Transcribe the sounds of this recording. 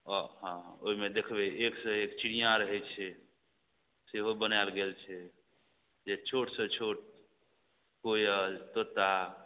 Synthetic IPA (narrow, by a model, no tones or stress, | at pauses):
ɔɦãoɦimed̪ekʰbɛʔeksə̃ekt͡ʃiɽijãɾəɦɛt͡ʃʰɛ | seɦobənalɡelt͡ʃʰɛ | d͡ʒet͡ʃʰoʈsə̃t͡ʃʰoʈ̚ | kojət̪ot̪a